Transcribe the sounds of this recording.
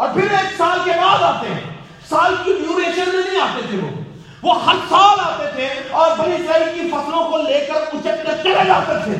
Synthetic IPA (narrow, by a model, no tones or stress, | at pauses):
ɔːɾpʰɪɾeːksaːlkebaːd̪aːt̪eɦɛ̰̃ | saːlkiɖjuːɾeːʃənmẽnɐɦĩaːt̪et̪ʰeʋo̰ː | ʋoːɦɐɾsaːlaːt̪et̪ʰeɔːɾbɐlisɐːɾikifɐslõkoleːkəɾʊseɐpnẽt͡ʃeled͡ʒaːt̪et̪ʰeː